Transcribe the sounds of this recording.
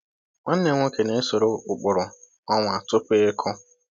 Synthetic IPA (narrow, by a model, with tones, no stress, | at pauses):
ŋʷa˦n̩˦ne˨ŋʷo˦ke˨ne˨˦so˨ɾo˨ʊ˨k͡pʊ˨ɾʊ˨ | ɔ˦ŋʷ˨a˨tʊ˦pe˦e˦kʰɔ˦